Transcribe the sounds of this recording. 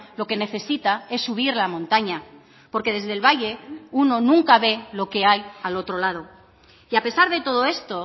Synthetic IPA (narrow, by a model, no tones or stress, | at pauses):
lo̞ke̞ne̞θe̞sit̪ae̞sːuβ̞iɾlamõnt̪aɲa | po̞ɾke̞ð̞e̞zðe̞lβajʎe̞uno̞nũŋkaβe̞lo̞ke̞ajalo̞t̪ɾo̞lað̞o̞ | iape̞saɾðe̞t̪o̞ð̞o̞e̞st̪o̞